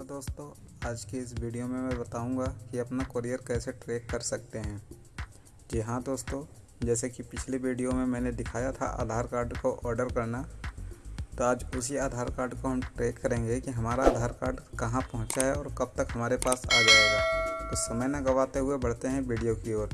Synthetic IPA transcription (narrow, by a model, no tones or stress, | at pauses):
d̪oːst̪õ | aːd͡ʒkeɪsʋiːɖijomẽmɛ̃bɐt̪aːũːŋɡakiɐpnakəɾijəɾkɛːseʈɾeːkːɐɾsɐk̚t̪eɦɛ̃ː | d͡ʒɪɦãd̪oːst̪õ | d͡ʒɛːsekipɪt͡ʃʰleʋiːɖijomẽmɛ̃ːned̪ɪkʰaːjat̪ʰa̰ʔa̰ːd̪ʱaːɾkaːɾɖkoʔɔːɾɖəɾkɐɾna | t̪oaːd͡ʒʊsiaːd̪ʱaːɾkaːɾɖkoɦɐmʈɾeːkːɐɾẽːŋɡekiɦɐmaːɾaaːd̪ʱaːɾkaːɾɖkɐɦãpɐɦʊ̃t͡ʃaɦɛɔːɾkɐb̚t̪əkɦɐmaːɾepaːsa̰ːd͡ʒaːeɡat̪osɐməjnãɡɐʋaːt̪eɦʊebɐɽt̪eɦɛ̃ʋiːɖijokioːɾ